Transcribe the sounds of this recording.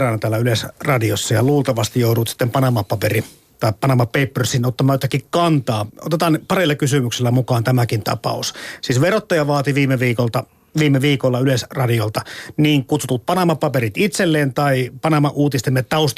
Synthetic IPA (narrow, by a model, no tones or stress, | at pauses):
rɑːnɑt̪æːlːæylesrɑdiosːɑjɑluːlt̪ɑʋɑst̪ijouɾut̪si̥t̪ːempɑnɑmɑpɑperi | t̪ɑippɑnɑmɑpeipːørsinot̪ːɑmɑːjot̪ɑkːikkɑnt̪ɑːo̰t̪et̪ɑːnpɑrilːɑkysymykselːæmukɑːnt̪æmækint̪ɑ̰pɑ̰ussiːsʋerot̪ːɑjɑʋɑːt̪iʋiːmeʋiːkolt̪ɑ | ʋiːmːeʋiːkolːɑylesrɑdiolt̪ɑniːŋkut̪sut̪ut̪̚pɑnɑmɑpɑperit̪it̪selːeːnt̪ɑipɑnɑmɑʔuːt̪ist̪emːet̪ːɑust̪